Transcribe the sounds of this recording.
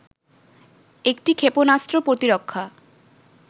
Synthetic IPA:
ek̚ʈikʰeponast̪ɾopɾot̪iɾokʰːa

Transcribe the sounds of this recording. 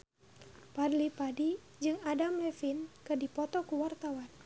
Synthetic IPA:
padlipadi | d͡ʒɨŋadamlɛfinkɨdipɔt̪ɔkuwart̪awan

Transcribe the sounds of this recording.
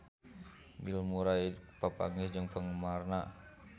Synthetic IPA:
bilmuɾaipapa̰ŋɪsd͡ʒəŋpəŋəmarna

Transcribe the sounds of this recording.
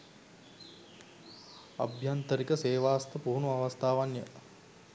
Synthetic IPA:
a̰bʱjant̪əɾikəseːʋaːst̪əpuːnuaʋast̪ʰaːʋanjə̰

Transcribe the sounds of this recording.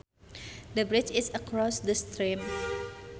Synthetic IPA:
dəbɹɪt͡ʃɪsəkɹɔsdəst̪ɾĩm

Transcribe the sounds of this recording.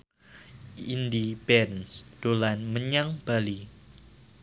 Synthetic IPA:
indibɛnsd̥olanməɲaŋb̥ali

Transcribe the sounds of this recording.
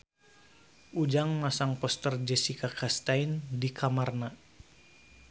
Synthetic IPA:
ʔud͡ʒaŋmasaŋpɔst̪ərd͡ʒɛsikakʰast̪aindikʰamarna

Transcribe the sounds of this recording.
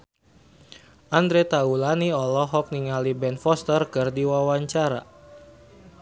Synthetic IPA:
ʔand̪ɾet̪aulaniɔlɔɦɔk̚niŋalibɛnfɔst̪ərkɨrdiwawaɲt͡ʃaɾa̰

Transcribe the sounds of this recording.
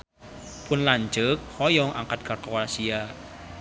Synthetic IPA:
pʰunland͡ʒək̚hɔjɔŋʔaŋkat̪̚karkowasia

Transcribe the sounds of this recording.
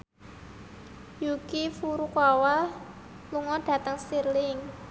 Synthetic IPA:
jukifuɾukwawa | luŋɔɖ̥ä̤t̪əŋsirlɪŋ

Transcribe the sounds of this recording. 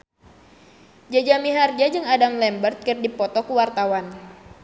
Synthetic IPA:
d͡ʒad͡ʒamiɦard͡ʒad͡ʒɨŋadamlɛmbərt̪̚kɨrdipɔt̪ɔkuwart̪awan

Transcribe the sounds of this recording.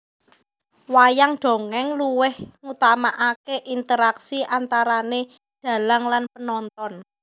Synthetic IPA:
wajaŋɖ̪̥o̤ŋɛŋluwɪhŋut̪amaʔakeʔint̪əɾaksiʔant̪aɾane | d̪̥ä̤laŋlanpənɔnt̪ɔn

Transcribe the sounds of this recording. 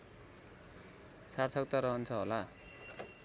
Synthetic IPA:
sart͡sʰʌkt̪aɾʌɦʌnt͡sʰʌɦola

